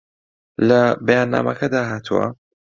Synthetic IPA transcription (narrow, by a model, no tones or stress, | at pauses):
lɐbɐjaːnːa̰ːmɐkʰɐd̪aːɦaːt̪ʰuwɐ̰